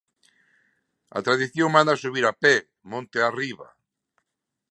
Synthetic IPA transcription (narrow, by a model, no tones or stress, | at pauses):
a̰t̪ɾaðiθjõŋmãnd̪asuβiɾapɛ | mõnt̪eariβa̰